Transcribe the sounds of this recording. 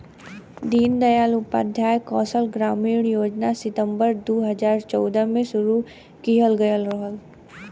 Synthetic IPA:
d̪iːnd̪ɐjaːlʊpa̰ːd̪ʱjaːjkɔːsəlɡɾaːmiːɳjoːd͡ʒnasɪt̪ə̃mbəɾd̪oːɦɐzaːɾt͡ʃɔːd̪əmẽsʊɾu | kiɦəlɡɐjəlɾəɦəl

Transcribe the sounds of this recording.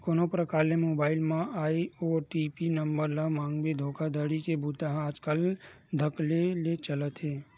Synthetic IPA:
koːnopɾəkaːɾlemoːbaːɪlmãʔaːiɔːɾʈiːpinəmbəɾlamãːŋɡbed̪ʱoːkad̪əɽikebut̪aɦaːd͡ʒkəl | d̪ʱəklelet͡ʃələt̪ɦeː

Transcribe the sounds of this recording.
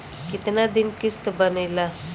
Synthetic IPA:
kɪt̪nad̪ɪnkɪst̪bənela

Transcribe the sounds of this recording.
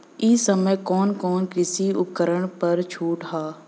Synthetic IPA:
isəməjkɔːnkɔːnkɪsiʊpkəɾəɳ̃pɐɾt͡ʃʰuːʈɦaː

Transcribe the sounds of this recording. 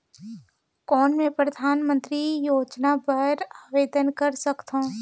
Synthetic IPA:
kɔːnmẽpɾɐd̪ʱaːnmə̃nt̪ɾijoːd͡ʒnapɐɾaːʋeːd̪ənkɐɾsɐkt̪ɦõː

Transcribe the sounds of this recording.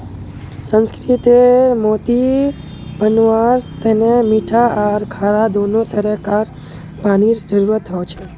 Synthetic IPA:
sə̃nskɾit̪emot̪i | bənʋaɾt̪enemiʈʰaʔaɾkʰaɾad̪onot̪əɾəkaɾ | paɽ̃id͡ʒəɾuɾət̪ʰːəot͡ʃʰe

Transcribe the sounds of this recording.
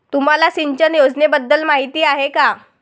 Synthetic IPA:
t̪um̤alasiɲt͡ɕənjod͡znebəd̪ːəlmaɦit̪iːaɦeka

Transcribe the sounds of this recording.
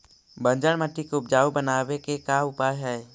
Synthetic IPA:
bə̃nd͡ʒəɽməʈːikʊp̚d͡ʒaːwobənaːwekekaʊpaːjɦɛː

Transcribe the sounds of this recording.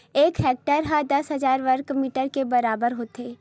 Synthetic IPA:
eːkɦɛːk̚ʈəɾɦad̪ɐsɦɐzaːɾʋəɾkmiːʈəɾkebɐɾaːbəɾɦoːt̪eː

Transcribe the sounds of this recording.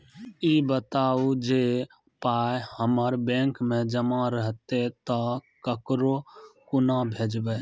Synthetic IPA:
ibət̪aud͡ʒe | pajhəməɾbẽŋkmẽd͡ʒəmaɾəɦt̪et̪əkəkɾokʊnabʱed͡ʒbe

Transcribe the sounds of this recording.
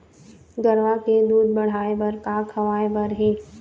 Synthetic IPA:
ɡəɾʋaked̪uːd̪̚bɐɽ̤aːebəɾkakʰɐʋaːebəɾɦeː

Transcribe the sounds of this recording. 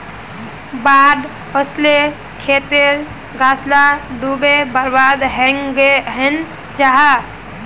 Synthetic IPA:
bad̪ | əsle | kʰet̪eɾ | ɡat̪ʰlaɖubebəɾbad̪ɦə̃ŋɡeɦən | d͡ʒaɦa

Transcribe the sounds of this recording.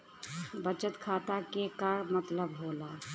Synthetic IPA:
bət͡ʃət̪kʰaːt̪akekaɾmət̪ləbɦoːla

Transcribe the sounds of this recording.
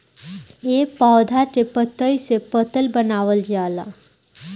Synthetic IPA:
eːpaːd̪ʱatepət̪ːəisepət̪əlbənaːʋəld͡ʒaːla

